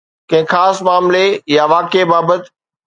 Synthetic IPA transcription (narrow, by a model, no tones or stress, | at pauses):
kɐ̃ɦɪ̃xaːsmaːmlejaʋaːkebaːbət̪